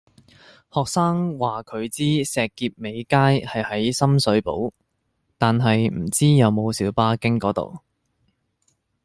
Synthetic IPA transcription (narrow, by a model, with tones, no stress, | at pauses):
hɔː˨k̚saː˥ŋwaː˨kʰɵ˨˧ɥt͡siː˥sɛː˨kːiː˧p̚me˨˧jkaː˥jhɐ˨jhɐ˨˥jsɐ˥msɵ˨˥ɥpo̰˨˥w | t̪aː˨nɦɐ˨jm̩˨˩t͡siː˥jɐ˨˧wmo˨˧wsiː˨˥wpaː˥kɪ˥ŋkɔː˨˥t̪o̰˨w